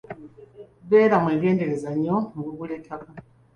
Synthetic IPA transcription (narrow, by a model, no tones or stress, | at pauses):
βeːɾamweːɡe̞ːnde̞ɾezaɲomɡuβulekʰaka